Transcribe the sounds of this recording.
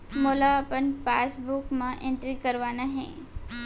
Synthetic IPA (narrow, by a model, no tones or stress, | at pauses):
moːlaɐpənpaːsbukmãʔẽɳʈɾikɐɾʋaːnaɦɛ̰̃ː